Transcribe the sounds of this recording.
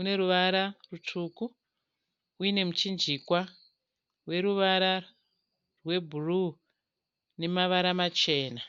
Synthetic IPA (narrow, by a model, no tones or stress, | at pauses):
une̞ɾuʋaɾarutʰuːku | uine̞mut͡ʃind͡ʒikwa | we̞ɾuʋaɾa | rwe̞bʱuru | ne̞maʋaɾamat͡ʃe̞ːna